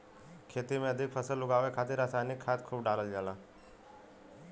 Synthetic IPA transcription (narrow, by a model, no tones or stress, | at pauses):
kʰet̪imeəd̪ʱikfʰəsəluɡaʋekʰat̪iɾasanikʰːat̪kʰuːpɖaləld͡ʑala